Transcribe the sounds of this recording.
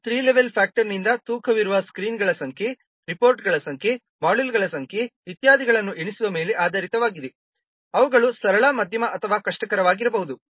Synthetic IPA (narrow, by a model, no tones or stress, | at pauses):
t̪ɾiːleʋelpʰaːk̚ʈɐɾnind̪ɐt̪uːkʰɐʋiɾuʋɐskɾiːnɡɐɭɐsɐŋkʰe | ɾipoːɾʈɡɐɭɐsɐŋkʰe | maːɖilɡɐɭɐsɐŋkʰeʋit̪jaːd̪iɡɐɭɐnːuʔeɳisuʋɐme̞ːleʔaːd̪ɐɾit̪ɐʋaːɡid̪e | ɐʋɐɡɐɭusɐɾɐɭaːmɐd̪ʱjɐmɐʔɐt̪ʰɐʋaːkɐʂʈɐkɐɾɐʋaːɡiɾɐbɐɦud̪u